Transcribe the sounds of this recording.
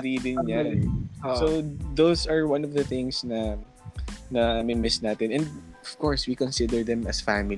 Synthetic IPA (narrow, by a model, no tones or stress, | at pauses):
ɾid̪ɪnɲansod̪owsɐɹwɐ̃nɔvd̪ɐθɪ̃ŋsnɐ | nɐmɪmɪsnaːt̪ɛnɛ̃nd̪̚ɔv̥kɔɹswikɔ̃nsɪd̪ɛɹd̪ɛ̃mʔɐsfamɪ